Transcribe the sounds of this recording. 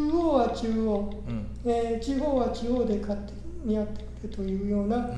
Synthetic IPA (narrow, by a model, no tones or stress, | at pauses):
oːβat͡ɕɨːoː | et͡ɕiɦo̞ːβat͡ɕiho̞ːd̪e̞kʰat̪ːe̥ | mʲiat̪ːe̥kɯ̥ɾɯt̪o̞jɯ̟ːjo̞ːna